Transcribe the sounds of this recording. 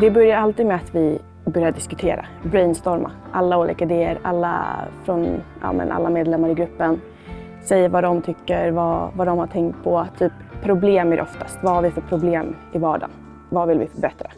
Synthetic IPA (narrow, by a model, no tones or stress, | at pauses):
d̪ɛbœɾjaɾalt̪iːd̪mɛat̪vɪ | bœɾjaɖɪskɵt̪ʰeːɾa̰bɾɛnst̪ɔɾmʔa̰ʔalːauːlʔḭːkaɪd̪eːə̰ɾa̰lːa̰fɾɔnʔa̰mɛ̰nʔa̰lːameːd̪lɛmːaɾɪɡɾɵpːən | sɛjːəvad̪ɔmt̪ʰʏkːəɾvavad̪ɔmhaʈʰɛŋkt̪̚pʰɔt̪ʰːyːpʰːɾʊbleːmæɾʔɔft̪ʰast̪vahaɾvɪfœpʰɾʊbleːmɪvɑːɖa̰n | vavɪlvɪfœɾbɛt̪ɾa